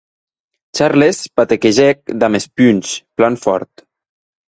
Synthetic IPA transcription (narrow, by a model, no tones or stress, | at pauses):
t͡ʃaɾlespat̪ekeʒɛk̚d̪amespynʲsplanfɔ̰ɾt̪